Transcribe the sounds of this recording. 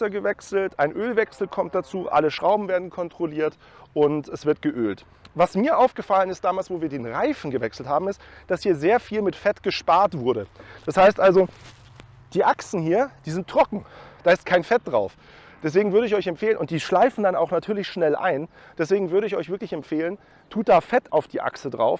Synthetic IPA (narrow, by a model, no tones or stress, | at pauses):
ɐɡəvɛksl̩tʔaɪnʔøːlvɛksl̩kʰɔmt̚d̥at͡suːʔa̰ləʃʁ̥aʊbm̩veːɐdn̩kʰɔntʁ̥oliːɐt | ʔʊntɛsv̥ɪɐt̚ɡ̥əʔøːlt | vasmiːɐʔaʊfɡ̥əfalənɪst̚d̥aːmaːlsv̥oːviːɐdeːnʁaɪfn̩ɡəvɛksl̩thaːbm̩ɪstd̥ashiːɐzeːɐfiːlmɪtfɛtɡ̥əʃpaːɐtv̥ʊɐɾəd̥ashaɪstʔalzo | d̥iːʔaksn̩hiːɐd̥iːzɪntʰːʁ̥ɔkŋ̩d̥aːɪst̚kʰaɪnfɛt̚d̥ʁaʊf | d̥ɛsv̥eːɡŋ̩vʏɐɾəɪçɔʏçɛmpfeːlənʔʊnt̚d̥iːʃlaɪfn̩danaʊxnatʰyːɐlɪçʃnɛlʔa̰ɪn | d̥ɛsv̥eːɡŋ̩vʏɐɾəɪçʔɔ̰ʏçvɪɐklɪçɛmpfeːlən | tʰuːt̚d̥aːfɛtʰaʊfd̥iːʔa̰ksədʁa̰ʊf